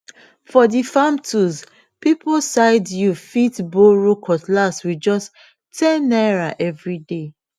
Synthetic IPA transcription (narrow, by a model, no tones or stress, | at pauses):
fɔdifamtʰuz | pipɔsaɪdjufitboɹukʰɔtlaswid͡ʒɔsʰ | ɛ̃naɹaʔɛvɹide